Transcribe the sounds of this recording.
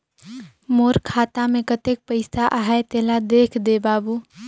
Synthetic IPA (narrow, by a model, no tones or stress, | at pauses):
moːɾkʰaːt̪amẽkət̪ek̚pəɪsaʔaɦajt̪eɦlad̪eːkʰd̪ebaːbu